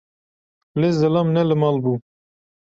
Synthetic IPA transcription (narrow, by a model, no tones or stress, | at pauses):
lezɨlamnɛlɨmɑːlbu